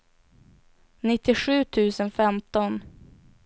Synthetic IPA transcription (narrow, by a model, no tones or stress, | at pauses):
nɪt̪ːɪɧʉ̟ːt̪ʰʉ̟ːsənfɛmt̪ɔn